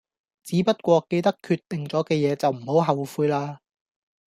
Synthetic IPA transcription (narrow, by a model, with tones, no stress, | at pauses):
t͡siː˨˥pɐ˥t̚kʷɔː˧ke˧jt̪ɐ˥kʰːyː˧t̪ːɪ˨ŋt͡sɔː˨˥kɛː˧jɛː˨˧t͡sɐ˨wm̩˨˩ho˨˥wɦɐ˨wfuː˧jlaː˧